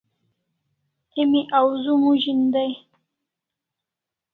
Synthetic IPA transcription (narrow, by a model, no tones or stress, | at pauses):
imiʔawzumuʒind̪aj